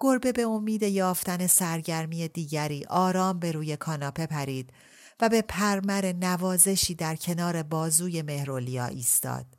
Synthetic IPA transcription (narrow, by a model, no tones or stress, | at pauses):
ɡ̥o̞ɾbe̞be̞omiːd̪e̞jɒːft̪æne̞sæɾɟæɾmiːje̞d̪iːɟæɾiːʔɒːɾɒːmbe̞ɾuːje̞kʰɒːnɒːpʰe̞pʰæɾiːd̪̥ | væbe̞pʰæɾmæɾe̞nævɒːze̞ʃiːd̪æɾcʰe̞nɒːɾe̞bɒːzuːje̞me̞hɾolijɒːʔiːst̪ɒ̰ːd̪̥̚